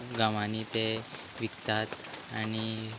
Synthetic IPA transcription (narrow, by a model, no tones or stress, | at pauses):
ɡamanit̪e | ʋikt̪at̪ | añi